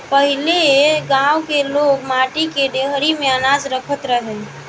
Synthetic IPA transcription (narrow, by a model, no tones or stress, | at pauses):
pəɦileɡãwkeloɡmaʈikeɖ̪eɦəɾimeənad͡ʒɾəkʰət̪ɾəɦɛl